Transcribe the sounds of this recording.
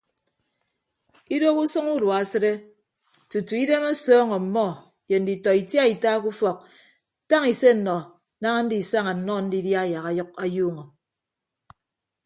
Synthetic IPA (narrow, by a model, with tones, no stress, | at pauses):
i˦do˦ku˦sɔ˦ŋu˦dwa˨a˨sɨ˦ɾe˦ | tu˨tu˨i˦de˦me˦sɔː˦ŋɔ˨m̩˨mɔ˦˨ | je˨n̩˨di˨tɔ˨i˨tja˦i˨ta˦ku˦fɔ˨k̚ | ta˦ŋi˨se˦n̩˨nɔ˨˦ | na˦ŋa˦n̩˦di˨sa˦ŋa˨n̩˨nɔ˦˨n̩˦di˦dja˦˨ja˨ɣa˨jɔ˦k̚a˨juː˦ŋɔ˨